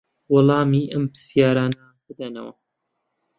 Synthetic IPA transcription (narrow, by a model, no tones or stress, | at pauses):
wɑlˠɑːmiːʔɐmpɨ̥sjaːɾaːnɐbɨd̪ɐnɐ̰wɐ̰